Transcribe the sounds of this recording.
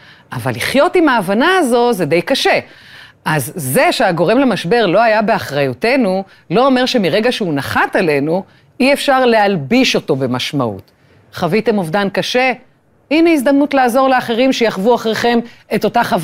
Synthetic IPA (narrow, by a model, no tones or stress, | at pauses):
ʔava̰lːiχjo̞timaːvanaːzo̞zede̞jkaʃe̞ʔazːe̞ʃeaɡo̞ʁe̞mlemaʃbe̞ʁlo̞ajabe̞aχʁajute̞nu | lo̞ːme̞ʁʃe̞miʁe̞ɡaʃeunaχatale̞nu | iefʃaʁlealbiʃo̞to̞be̞maʃmaṵt | χavite̞movdankaʃe̞ | ineisd̪amnutlaːzo̞ʁleaχeʁimʃejaχvuaχʁeχe̞me̞to̞taχav